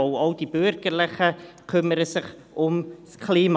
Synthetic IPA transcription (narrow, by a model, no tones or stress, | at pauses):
ʊɔʊd̥ib̥ʏɾɡ̥əɾlɪχə | kʰʏməɾəsɪχ | ʊmskʰliːmɑ